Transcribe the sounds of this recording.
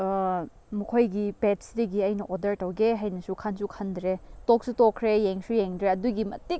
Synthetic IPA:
mukʰojɡipetsdɐɡiɐjnɐʔodɐɾtɐwɡeɦajnɐsukʰansukʰɐndɾetok̚sutokʰːɾejeŋsujeŋdɾeɐduɡimɐtik̚

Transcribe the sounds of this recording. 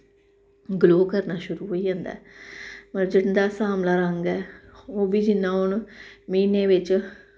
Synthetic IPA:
ɡloːkəɾnaːʃʊɾuːɦoːiːãːnd̪a̰ːpəɾd͡ʒɪɽd̪aːsaːmlaːɾəŋɡɛːoːbiːd͡ʒɪnːãːʊnmiːneːʋɪt͡ʃ

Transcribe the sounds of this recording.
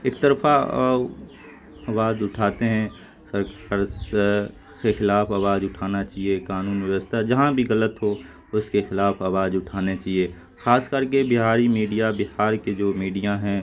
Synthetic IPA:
eːkt̪ɐɾfa | ɐʋaːd͡ʒʊʈʰaːt̪eɦɛ̃ | sɐɾəɾs | xexɪlaːfaʋaːd͡ʒʊʈʰaːnat͡ʃaːɦiekaːnuːnʋjəʋəst̪ʰad͡ʒɐɦãbʱiɣɐlət̪ɦo | ʊskexɪlaːfaʋaːd͡ʒʊʈʰaːnet͡ʃaːɦie | xaːskɐɾk̬ebɪɦaːɾimiːɖijabɪɦaːɾked͡ʒoːmiːɖijaɦɛ̃ː

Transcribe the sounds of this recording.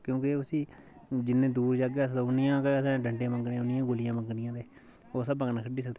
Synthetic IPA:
kjõːkeʊsĩː | d͡ʒɪnːẽːd̪uːɾd͡ʒaːɡaːsoʊnɪjãːkesãɖəɳɖẽːməŋɡɽeãːʊnɪjãːɡolɪjãːməŋɡɽɪjãːd̪eː | oːsabəŋnaːkʰəɖiːs̬əɡd̪e

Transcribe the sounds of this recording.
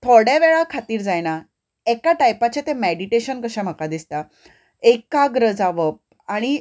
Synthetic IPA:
t̪ʰoɽjaʋeɭakʰat̪iːɾd͡zajna | ekaʈajpat͡ɕet̪ẽmeɽiʈeɕənkəɕãm̤əkad̪ist̪a | ekaɡɾəd͡zaʋəp̚ | aɽ̃i

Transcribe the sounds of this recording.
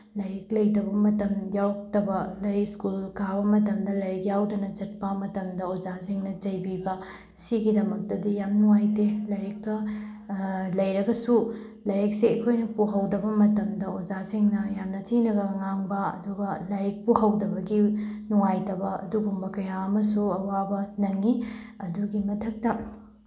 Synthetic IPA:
lɐɾiklɐjdɐbɐmɐtɐmjawtɐbɐlɐɾiskulkʰabɐmɐtɐmdɐlɐɾik̚jawdɐnɐt͡ʃɐt̚pɐmɐtɐmdɐod͡ʒasiŋnɐt͡ʃɐjbibɐ | siɡidɐmɐk̚tɐdijamnuŋajtelɐɾikːɐ | lɐjɾɐɡɐsu | lɐɾek̚seɐkʰojnɐpuɦɐwdɐbɐmɐtɐmdɐod͡ʒasiŋnɐjamnɐtʰinɐɡɐŋaŋbɐɐ̰duɡɐlɐɾik̚puɦɐwdɐbɐɡinuŋajtɐbɐɐ̰duɡumbɐkɐjaɐmɐsuɐwabɐnɐŋi | ɐduɡimɐtʰɐk̚tɐ

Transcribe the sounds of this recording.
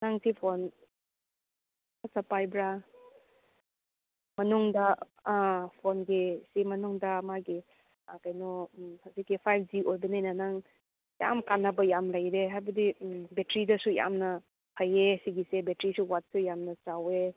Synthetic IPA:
naŋsipʰon | asɐpajbɾa | mɐnuŋdɐ | pʰonɡisimɐnuŋdɐmaɡi | kajnɔhazikːipʰajp̚ʰd͡ʒiʔojbɐnajnɐnaŋ | ja̰mkanːɐbɐjamlajɾeɦajbɐdimbetɾidɐsuja̰mnɐ | hʰɐjesiɡisebetɾisuwat̚sujamnɐt͡ʃawe

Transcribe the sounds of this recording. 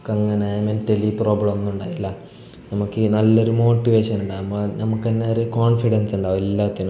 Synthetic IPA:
kːɐŋːɐnejɐmentelipro̞ːbɭɐmnːuɳɖaːjilːɐ | nɐmukːɨnɐlːo̞ɾumo̞ːʈːiʋeːʂɐnuɳɖaːumbonɐmukːenːeoɾukoːɳfiɽɐnsuɳɖaːʋumelːaːt̪ːinu

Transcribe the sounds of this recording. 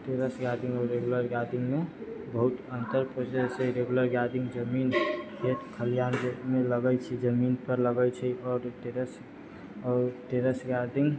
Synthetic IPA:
ʈeɾəsɡad̪iŋɡɔːɾɾeɡuləɾɡad̪iŋɡmebəɦut̪ənt̪əɾpɾəd͡ʒeseɾeɡuləɾɡad̪iŋɡd͡ʒəminkʰet̪kʰəlijanmeləɡət͡ʃʰid͡ʒəminpəɾləɡət͡ʃʰɛɔːɾʈeɾəs | ɔːɾʈeɾəsɡad̪ʱiŋɡ

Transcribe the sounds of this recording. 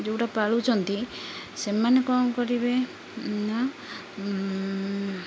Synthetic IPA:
d͡ʒewʈapaɭut͡ʃʰɔnt̪i | semanekɔmkɔɾibe | na

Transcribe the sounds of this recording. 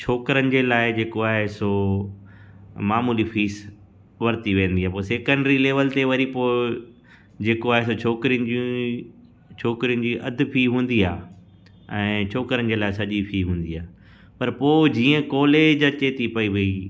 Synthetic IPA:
t͡ɕʰoːkɾənɪ̆d͡ʑeːlaːɪd͡ʑeːkoaːɦɪso | maːmuːlifʰiːs | ʋɐɾt̪iʋẽːnd̪iaːpoːseːkə̃ɳɖɾileːʋəlt̪eʋɐɾipoːɪ | d͡ʑeːkoaːɦes̬ot͡ɕʰoːkɾiənd͡ʑĩ | t͡ɕʰoːkɾijʊn̆d͡ʑiːʔɐd̪ʱɪ̆pʰiːɦũːnd̪iaː | ɛ̃ːt͡ɕʰoːkɾənɪ̆d͡ʑeːlaːɪsɐʄipʰiːɦũːnd̪iaː | pɐɾpoːd͡ʑiːə̃kɔːleːd͡ʑɐt͡ɕeːt̪ipɐiʋɐi

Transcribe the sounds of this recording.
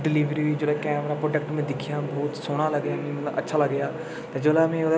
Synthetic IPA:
ɖɪliːʋɾiːiːd͡ʒoːlaːkɛ̃ːəpnãːpɾoːɖəkʈmẽːd̪ɪkʰijãːbɔːt̪soːɽ̃aːləɡjãːmĩm̃ʔə̰tːʃʰaːləɡjaː | t̪eːd͡ʒoːlamẽod̪

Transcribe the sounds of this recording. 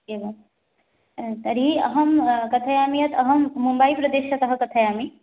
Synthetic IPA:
ebɐ | t̪ɐɾiɐɦɐmkɐt̪ʰɐjaːmijɐt̪ʰɐɦɐmːumbaipɾɐd̪eʃɐt̪ɐɦɐkɐt̪ʰɐjaːmi

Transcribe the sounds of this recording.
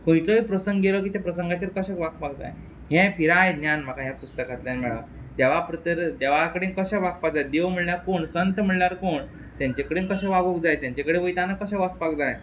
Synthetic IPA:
kõjt͡soipɾəsəŋɡɡelək̬iːt̪epɾəsəŋɡat͡ɕeɾkəɕekʋakpakd͡za̰j | ɦɛ̃piɾajd̪njanm̤akaɦjapust̪əkat̪ljanmɛɭa̰t̪aʋapɾət̪əɾd̪eʋakəɽenkəɕaʋak̚pakd͡zajd̪eʋm̤əɭljaɾkoːɳsənt̪m̤əɭlaɾkoːɳ | t̪jãɲt͡ɕakəɽeːnkəɕãʋabukd͡zajt̪jãɲt͡ɕakəɽeʋəjt̪anakəɕaʋəspakd͡zaj

